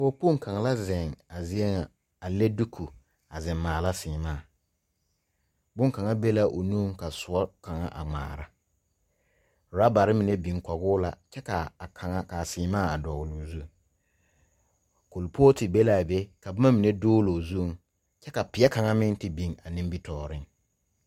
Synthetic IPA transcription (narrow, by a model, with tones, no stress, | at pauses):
foː˦pu˦˨ŋ˦ka˨ŋa˨la˦zɪ˨ŋa˨zɪ˦ɛ˦ŋa˨ | a˨le˦du˦kʰu˨ | a˨zɪ˨mːaː˨la˦sɪː˨maː˦˨ | bʊ˦ŋka˨ŋa˦be˦la˦ʔo˨nuː˦ŋka˨sʊ˨ɔ˦ka˨ŋa˦ʔa̰˨ŋ͡ma̰ː˨ɾa˦˨ | ɾa˦ba˨ɾɪ˦mi˨ne˦bi˨ŋkɔ˨ɣʊː˦la˨t͡ʃɛ˦ka˨a˨ŋa˦ka˨sɪː˨maː˦˨a˨dɔ˨ɣlʊ˨zu˦˨ | ko˨lpʰoː˦tɪ˨be˦la˨be˦ka˨bʊ˦ma˦mi˨ne˦doː˦ɣloː˨zu˦˨ŋ | t͡ʃɛ˦ka˨pɪ˨ɛ˦ka˨ŋa˦mɪ˦n˦tɪ˨bi˨ŋa˨nĩ˦m˦bi˦tɔː˦˨ɾɪ˦ŋ